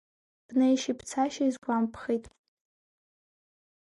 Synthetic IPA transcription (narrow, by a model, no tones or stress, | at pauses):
b̥nejʃipʰt͡sʰaʃaizɡʷampʰχijtʼ